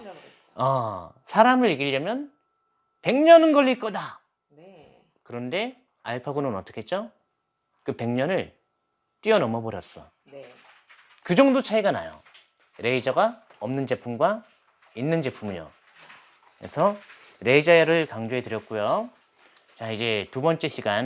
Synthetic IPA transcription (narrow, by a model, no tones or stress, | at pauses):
ʌsʰaɾamɯɭiɡiʎːʌmjʌn | pe̞ŋɲʌnɯnɡʌɭʎːik͈ʌda | kɯɾʌnde̞ | aɭpʰaɡunɯnʌt͈ʌkʰet̚t͡ɕ͈o | k͈ɯpe̞ŋɲʌnɯɭ | t͈iʌnʌmʌboɾjʌs͈ʌ | kɯd͡ʑʌŋdot͡ɕʰaiɡana̰jo̰ | ɾe̞id͡ʑaɡa | ʌmnɯnd͡ʑe̞pʰumɡwa | inːɯnd͡ʑe̞pʰumɯɲo̰ | kɯɾḛsʰʌ | ɾe̞id͡ʑaeɾɯɭkaŋd͡ʑoɦe̞tɯɾjʌk̚k͈ujo | t͡ɕaid͡ʑe̞tubʌnt͡ɕ͈e̞ɕʰiɡan